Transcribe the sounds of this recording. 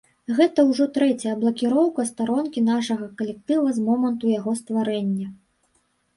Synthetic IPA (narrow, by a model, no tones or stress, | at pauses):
ɣɛt̪ɐwʐɔt̪ɾɛt͡sʲɐjɐblˠɐkʲiɾɔwkɐst̪aɾɔnkʲinaʂɐɣɐkɐlʲɛk̚t̪ɨvɐzmɔmɐnt̪ujaɣɔst̪vaɾɛnʲːɐ